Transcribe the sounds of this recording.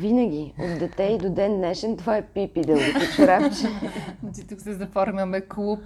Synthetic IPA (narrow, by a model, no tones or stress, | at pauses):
vinəɡ̟ʲio̰t̪d̪ɛt̪ɛid̪od̪ɛnnɛʃɛnt̪ovaɛpipid̪ɛlˠɡiot͡ʃiɾat͡ʃɛt͡ʃit̪uksɛzɐfɔɾmʲɐmɛklˠup